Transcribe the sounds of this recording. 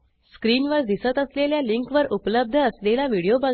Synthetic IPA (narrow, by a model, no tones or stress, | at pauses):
skɾiːnʋəɾd̪isət̪əsleljaliŋkʋəɾʔupləb̚d̪ʱəːslelaʋiɽijoba